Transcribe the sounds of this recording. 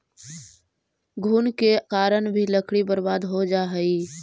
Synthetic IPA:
ɡʱuːnkekaːɾəɳ̃bʱiləkʰɽibəɾbaːd̪ɦod͡ʒaɦəi

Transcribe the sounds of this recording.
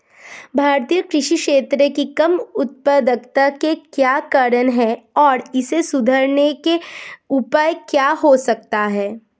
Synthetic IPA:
bʱaːɾt̪ijəkɾɪʃikʃeːt̪ɾəkikɐmʊt̪̚pəd̪əkt̪akekjaːkaɾənɦɛɔːɾɪsesʊd̪ʱəɾnekeʊpaːjkjaːɦosɐk̚t̪aɦɛː

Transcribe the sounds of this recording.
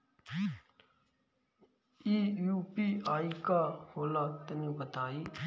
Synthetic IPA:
iːjuːpiːaːiːkaːhoːlaːt̪ənĩːbət̪aːiː

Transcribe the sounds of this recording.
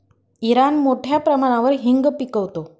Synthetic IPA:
iɾanmoʈʰjapɾəmaɽ̃ãʋəɾɦiŋɡpikəʋt̪o

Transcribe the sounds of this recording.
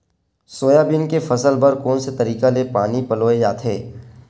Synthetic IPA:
soːjabɪnkefɐsəlbəɾkoːnset̪ɐɾiːkalepaːnipɐloːed͡ʒaːt̪ɦeː

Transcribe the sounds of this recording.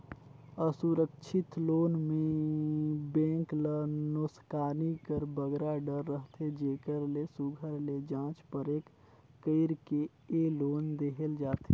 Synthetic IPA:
əsuɾəkʃʰɪt̪loːnmẽ | bẽːklənoːskaːnikəɾbəɡɾaɖəɾːəɦt̪ʰed͡ʒeːkəɾlesʊɡʱəɾled͡ʒãːt͡ʃpəɾeːkː | əɪɾke | eloːnd̪eːɦəld͡ʒaːt̪e

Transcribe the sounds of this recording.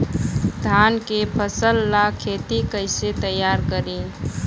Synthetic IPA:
d̪ʱaːnkepʰəsəlːakʰeːt̪ikəɪset̪əjːaːɾkəɾiː

